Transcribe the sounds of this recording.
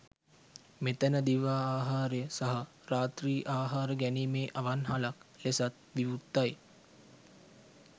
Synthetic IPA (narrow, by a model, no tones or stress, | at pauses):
met̪ənəd̪iʋaːaːɦaːɾejəsaɦɐ | ɾaːt̪riːʔaːɦaːɾəɡɛniːmeːʔaʋanɦalaklesat̪̚ʋiʋut̪ːaj